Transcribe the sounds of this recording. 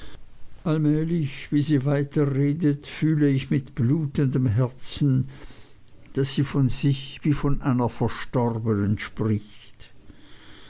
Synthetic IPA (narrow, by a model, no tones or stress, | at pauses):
ʔalmɛːlɪçv̥iːziːvaɪtʰɐʁeːdətfyːləɪçmɪtb̥luːtəndəmɦɛɐt͡sn̩ | d̥asz̥iːfɔnzɪçviːfɔnʔaɪnɐfɛɐʃtɔʁbənənʃpʁɪçt